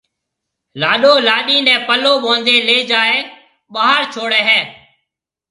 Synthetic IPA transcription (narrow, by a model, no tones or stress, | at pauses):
laːɗoːlaːɗiːnɛ̃ːpəloːɓõːnd̪eːleːd͡ʒaːeː | ɓaːɦəɾt͡ʃʰoːɽeːɦɛː